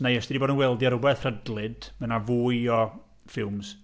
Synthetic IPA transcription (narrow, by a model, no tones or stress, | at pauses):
nejəsd̥idiboːdənwɛlˠdjɔɾʊbɛθr̥ədlˠɨdmənavuːɨɔ | fɪlˠms